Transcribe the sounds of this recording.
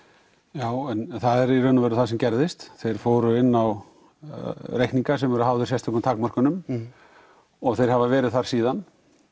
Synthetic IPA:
jaːwɛnθaðɛɾirœnʏvɛːɾʏθasɛmcɛɾðɪst̪θejɾ̥foːwɾʏɪnːaw | rejhkniŋkasɛmvɛɾʏhaːwvðʏɾsjɛst̪ɔknʏmt̪ʰaːkmɔr̥kʏnʏm | ɔɣθejɾhavavɛːɾɪðθaɾ̥siːðan

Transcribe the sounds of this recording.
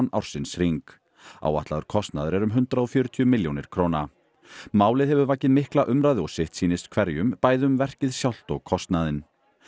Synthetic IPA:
na̰wɾ̥sɪnsr̥iŋk | a̰ːwaht̪laðʏɾ̥kʰɔst̪naðʏɾɛɾʏmɦʏnt̪ɾaɔfjœːɾʏt̪ʰiʏmɪljownɪɾ̥kʰɾoːna | maːwlɪðhɛvʏɾvaːcɪðmɪhklaʔʏmɾajðɪɔsɪht̪siːnɪst̪kʰvɛɾjʏmpaːjðʏmvɛr̥cɪðsjawl̥t̪ɔɣkʰɔst̪naðɪn

